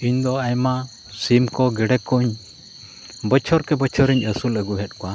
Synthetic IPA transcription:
iɲd̪ɔajma | simkɔɡɛɖɛkɔɲ | bət͡ʃʰɔɾkɛbət͡ʃʰɔɾiɲəsuləɡuɦɛt̪̚kɔwa

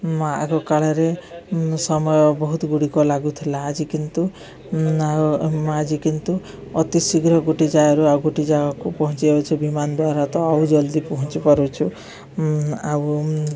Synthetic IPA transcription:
maʔakɔkaɭeɾe | sɔmɔjɔbɔɦut̪ɔɡuɽikɔlaɡut̪ʰilaːd͡ʒikint̪u | ad͡ʒikint̪u | ɔt̪isiɡɾɔɡuʈid͡ʒajɔɾuawɡuʈid͡ʒaɔkupɔɦɔ̃t͡ʃieot͡ʃʰubimanɔd̪waɾat̪ɔawd͡ʒɔld̪ipɔɦɔnt͡ʃipɔɾut͡ʃʰu | aw

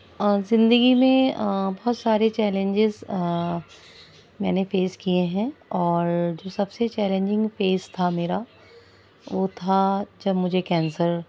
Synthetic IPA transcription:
əzɪ̃nd̪əɡimẽbɔɦɔt̪saːɾet͡ʃɛːlẽɲd͡ʒɪz | mɛ̰̃ːnefeːskijeɦɛ̃ɔːɾd͡ʒoːsɐbset͡ʃɛːlẽɲd͡ʒɪ̃ŋɡfeːst̪ʰameːɾa | ʋot̪ʰad͡ʒɐbmʊd͡ʒʱekɛ̃ːnsəɾ

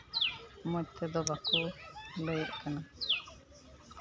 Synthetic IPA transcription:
mũt̪ʰed̪ɔbakuləjəʔkana

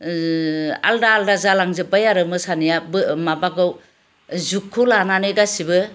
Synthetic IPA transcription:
a̰ldaːldazalaŋzɯpajaɾɯmɯsanijabɯmabaɡɯw | zukʰːulananɯɡasibɯ

